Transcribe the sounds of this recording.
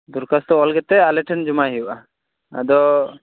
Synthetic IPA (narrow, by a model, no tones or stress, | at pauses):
d̪uɾkast̪ɔɔlɡɛt̪ɛalɛʈʰɛnd͡ʒɔmaɦɛjuʔa | a̰d̪ɔ